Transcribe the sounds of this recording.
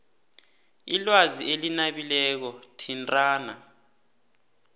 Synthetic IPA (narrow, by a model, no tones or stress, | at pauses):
ilwaziʔelinaɓilɛk̬ɔtʰintʼaːna